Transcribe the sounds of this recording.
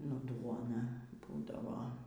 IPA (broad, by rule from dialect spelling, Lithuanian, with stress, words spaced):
nʊ ˈduɔnɐ ˈbuːdɐʋoː